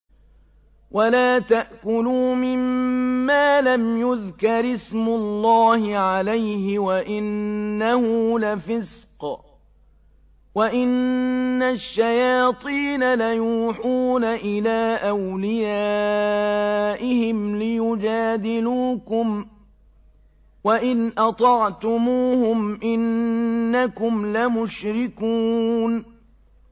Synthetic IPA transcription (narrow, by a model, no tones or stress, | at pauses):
wʔalaːt̪aʔkʊluːmɪmːaːlamjʊðkɑɾɪsmʊlːɑːhɪʕalajhɪwaʔɪnːahʊlafɪsq | waʔɪnːaʃːajaːt̪ˤiːnalajuːħuːnaʔɪlaːʔawlɪjaː | ʔɪhɪmlɪjʊd͡ʒaːd̪ɪluːkʊm | waʔɪnʔɑt̪ˤɑʕt̪ʊmuːhʊmʔɪnː | akʊmlamʊʃɾɪkuːn